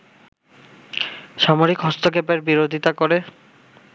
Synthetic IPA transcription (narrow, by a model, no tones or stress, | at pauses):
ʃamoɾikɦɔst̪okepeɾbiɾod̪ʱit̪akoɾe